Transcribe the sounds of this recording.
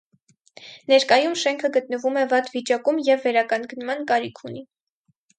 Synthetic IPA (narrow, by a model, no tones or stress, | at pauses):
nɛɾkɑjumʃɛŋkʰəɡət̪̚nəvumɛvɑt̪vit͡ʃɑkumjɛvːɛɾɑkɑŋɡnmɑnkɑɾikʰuni